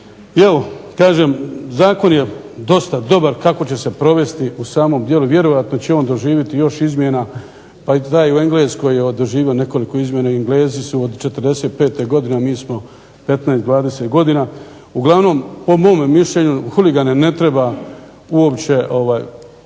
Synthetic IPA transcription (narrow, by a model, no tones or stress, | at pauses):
jelokaːʒe̞ːmzaːko̞nje̞d̪o̞st̪ad̪o̞baɾkako̞t͡ɕe̞se̞pɾo̞ʋe̞st̪iusaːmo̞md̪je̞luʋje̞ɾo̞jat̪no̞t͡ɕeo̞ːnd̪o̞ʒiːʋjit̪ijo̞ʃizmʲje̞na | pait̪aːjue̞ŋɡleːsko̞jeod̪ʒiːʋione̞ko̞liko̞izmje̞naiiŋɡle̞ːzisuod̪t͡ʃet̪ərd̪e̞se̞ːt̪̚pe̞ːt̪eɡo̞d̪inamiːsmo̞ | pe̞t̪naest̪d̪ʋaːd̪eset̪ɡo̞d̪ina | uɡlˠaʋno̞ːmpo̞mo̞ːmːiʃʎe̞ɲuxuliɡanene̞t̪ɾe̞ba | uo̞pt͡ɕe̞ʔo̞ʋaːj